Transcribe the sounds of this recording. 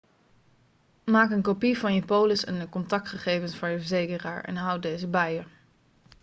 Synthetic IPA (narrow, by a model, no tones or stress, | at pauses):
maːkənkopivɑnjəpowləsɛ̰ndəkɔntɑk̚tχəχejvənsfʊːɹjəvəɹzejkəraːɹɛ̰nɦʌw̚dejzəbɛjə